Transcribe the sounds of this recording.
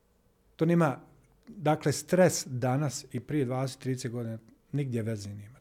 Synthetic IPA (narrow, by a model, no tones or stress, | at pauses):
t̪oniːma | d̪akle̞st̪ɾesd̪anasipɾije̞d̪vʋaːd̪eset̪ːɾiːd̪eseɡo̞d̪ina | niɡ̚d̪jeʋezineːma